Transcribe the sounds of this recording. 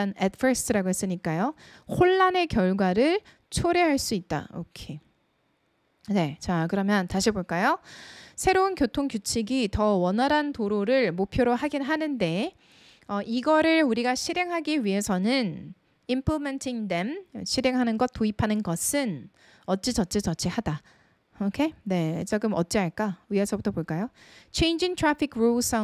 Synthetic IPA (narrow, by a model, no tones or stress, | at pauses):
anetpʰʌstʰɯɾaɡoɦe̞s͈ɯɲik͈ajohoɭːane̞kjʌɭɡwaɾɯɭ | t͡ɕʰoɾe̞ɦaɭs͈uit̚t͈a̰o̰kʰe | ne̞t͡ɕakɯɾʌmjʌntaɕʰiboɭk͈ajosʰe̞ɾounkjotʰoŋkjut͡ɕʰiɡitʌwʌnaɾantoɾoɾɯɭmopʰjoɾoɦaɡinɦanɯnde̞ | ʌʔiɡʌɾɯɭuɾiɡaɕʰiɾe̞ŋɦaɡiɥiɦe̞sʰʌnɯn | impʰlome̞ntʰiŋde̞mɕʰiɾe̞ŋɦanɯnɡʌt̚t͈uipʰanɯnɡʌsʰɯn | ʌt̚t͡ɕ͈it͡ɕʌt̚t͡ɕ͈ʰit͡ɕʌt͡ɕʰihada | okʰe̞ne̞t͡ɕaɡɯmʌt̚t͡ɕ͈iɦaɭk͈aɥiɦesʰʌbutʰʌpoɭk͈ajot͡ɕʰe̞jnd͡ʑiŋtʰɾapʰikʰɾos͈a